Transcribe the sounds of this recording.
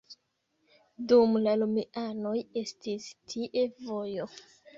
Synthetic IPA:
dumlalumiʔano̞je̞stistʰiʔe̞vo̞jo̞

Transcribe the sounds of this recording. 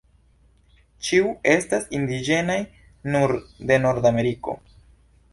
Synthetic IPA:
t͡ʃiue̞stasind̪id͡ʒe̞naj | nuɾd̪e̞no̞ɾd̪ame̞ɾiko̞̰

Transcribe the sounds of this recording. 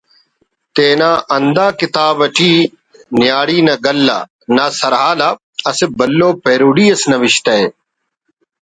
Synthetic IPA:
t̪eːnaːʔɐnd̪ãːkɪt̪aːbɐʈʰiː | njaːɽiːnɐɡɐlːa̰ | naːsɐɾɦaːla | ɐsɪbɐlːoːpeːɾuːɽiːɐsnɐʋɪʃt̪ɐe

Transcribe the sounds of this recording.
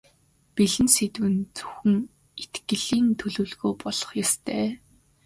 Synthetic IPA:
piɮɘ̆nset̪wɘ̆nt͡sɵ̥xɵ̆ŋ | et̪ɡɘ̆ɮiːnt̪ʰɵɮŭːɮɣoːpɔɮ̥ɞ̥̆χjast̪ʰæː

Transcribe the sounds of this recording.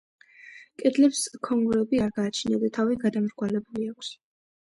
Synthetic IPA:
kʼɛd̪lɛpskʰɔŋɡɾɛbiaɾɡaːt͡ʃʰinid̪at̪ʰaviɡad̪amɾɡwalɛbuliakʰs

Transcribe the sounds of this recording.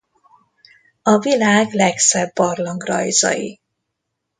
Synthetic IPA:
ɒvilaːɡlɛksɛbːɒrlɒŋɡrɒ̰jzɒ̰jḭ

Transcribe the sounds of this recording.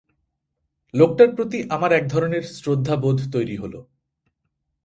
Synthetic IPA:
lok̚ʈaɾpɾot̪iʔamaɾɛk̚d̪ʱɔɾoneɾsɾod̪ʱːabod̪ʱt̪ojɾiɦolo̰

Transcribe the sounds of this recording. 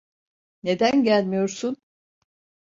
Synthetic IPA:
ne̞d̪ænɟælʲmijo̞ɾsun

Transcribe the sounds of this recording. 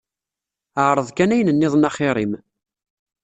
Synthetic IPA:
əʕɾˤəðˤkænæjnənːɪðˤnɑχɪɾˤim

